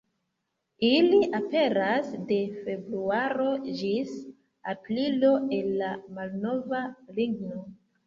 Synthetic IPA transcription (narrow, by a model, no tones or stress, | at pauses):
iliʔape̞ɾasde̞fe̞bɾuaɾo̞d͡ʒis | aplilo̞e̞nːamalno̞valiɡno̞